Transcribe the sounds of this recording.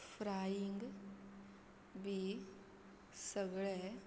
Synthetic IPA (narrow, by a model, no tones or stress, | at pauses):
fɾaːjiŋɡ | bʱi | səɡɭɛ